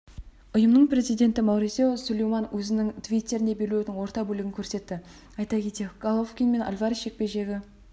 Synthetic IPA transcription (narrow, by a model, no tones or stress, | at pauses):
ʊjəmnəɴpɾe̞zijd̪e̞nt̪ɪmɑwɾisewsulʲejmɑnwʔɵzɪnɪŋt̪ʰvʲijt̪ʲːe̞ɾɪne̞be̞ɾlewd̪ɪŋwo̞ɾt̪ɑbɵlɪɡʲɪŋʲkʲʰɵɾse̞t̪ːɪ | ɑjt̪ɑkʲʰe̞t̪e̞ɡ̥alˠofkʲinme̞nʔa̰lʲvɑɾiʃe̞k̚pe̞ʒe̞ɡʲɪ